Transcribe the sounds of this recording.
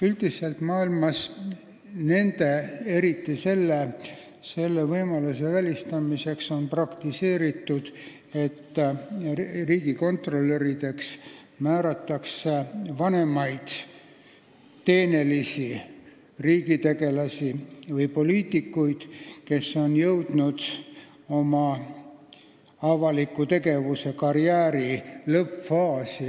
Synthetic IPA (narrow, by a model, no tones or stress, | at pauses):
yld̪̥iselt̪mɑːilmɑs | ne̞nd̪e̞e̞ɾit̪ːise̞lːe | se̞lːe̞vɤjmɑluse̞vælʲist̪ɑmise̞kso̞nprɑkt̪ise̞ːɾit̪ːˑud̪̥ | e̞t̪ː | riːɡiko̞nt̪ro̞lːe̞ɾid̪e̞ks | mæːɾɑt̪ːɑksevɑne̞mɑjd̪̥ | t̪e̞ːne̞lisi | riːɡit̪e̞ɡe̞lɑsʲivɯjpo̞liːt̪ːˑikːujd̪̥ke̞sːo̞njɤwd̪̥nud̪̥ | o̞mɑ | ɑvɑlikːut̪e̞ɡe̞vuse̞kɑɾiæːɾilɤpfɑːsi